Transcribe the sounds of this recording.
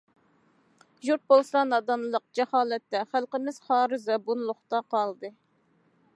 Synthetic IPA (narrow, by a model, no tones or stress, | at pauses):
ʒuɾt̪̚bolˠslˠɑnɑd̪ɑnlˠəq̚d͡ʒɛhɑːlˠɛt̪ːɛχælqəmɪz̥χɑːɾɨzɑbunlˠʊχt̪ɑqɑlˠd̪ɨ